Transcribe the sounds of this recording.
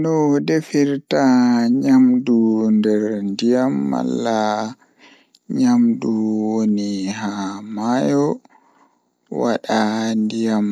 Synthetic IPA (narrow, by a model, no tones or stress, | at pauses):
nɔdefiɾtaɲamdundɛɾndijamːa̰lːa | ɲamduwonihamajɔ | wa̰ɗandijam